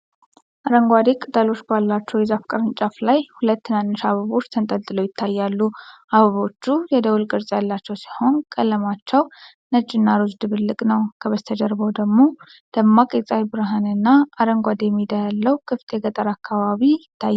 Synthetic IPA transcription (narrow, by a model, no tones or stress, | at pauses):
ʔaɾəŋɡʷad̪ekʼɨt̪ʼəlo̞t͡ʃːbalːat͡ʃːɛwjɛzafkʼəɾɨnt͡ʃʼaflajhulət̪ːɨnanːɨʃaβəβo̞t͡ʃːt̪ʰənt̪ʼəlt̪ʼːɨləwjɪt̪ʰːajːalːuʔaβəβo̞t͡ʃːujɛd̪əwulkʼɨɾsʼjalːat͡ʃːɛwsi̥ho̞nkʼəlːəmat͡ʃːɛw | nət͡ʃʼːɪnːaɾuzd̪ɨβɨlːɨkʼnəwkʰəβəst̪ʰəd͡ʒəɾbəwd̪əɡmo̞ | d̪̥əmːakʼet͡sʼajbɨɾaɦanɨnːaːɾəŋɡʷad̪ejɛmːid̪ajalːəwkʰɨft̪ʰeɡət̪ʼəɾakʰːaβaβijɪt̪ʰːajː